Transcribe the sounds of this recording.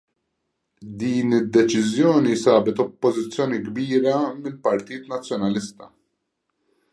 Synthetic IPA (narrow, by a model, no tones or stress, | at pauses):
d̪iːnɪd̪ːɛt͡ʃɪzjɔːnisɐːbɛt̪ɔpːɔzɪt͡sːjɔːniɡbiːɾɐmɪlpɐɾt̪iːt̪nɐt͡sːjɔnɐlɪst̪ɐ̥